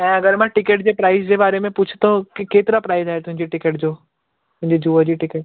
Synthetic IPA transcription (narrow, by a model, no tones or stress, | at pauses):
ɛ̃ːɐɡəɾmãʈɪkeːʈd͡ʑeːpɾaːɪzd͡ʑeːbaːɾemẽpʊt͡ʃʰɪ̥t̪okikeːt̪ɪɾapɾaːɪzaːɦet̪ʊɦɪ̃ɲd͡ʑiʈɪkeʈ̚d͡ʑoː | t̪ʊ̃ɦɪ̃ɲd͡ʑid͡ʑuːəd͡ʑiʈɪkeʈ̚